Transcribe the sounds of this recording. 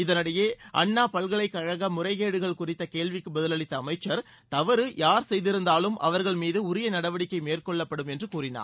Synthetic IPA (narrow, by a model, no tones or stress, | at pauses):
ɪðɐnɐɽɐjeːʔɐ̰ɳːaːpɐɭɣɐɭɐɪkːɐɻɐɣɐmʊrɐɪɣeːɽɯɣɐɭkʊrɪt̪ːɐkeːɭʋɪkːɯbɐðɪlɐɭɪt̪ːɐːmɐɪt͡ʃːɐɾ | t̪ɐʋɐɾɯjaːɾsɛjðɪɾɯnd̪aːlɯmʔɐ̰ʋɐɾɣɐɭmiːðɯʊɾɪjɐnɐɽɐʋɐɽɪkːɐɪmeːrkɔɭːɐpːɐɽɯmɛndrɯkuːrɪna̰ː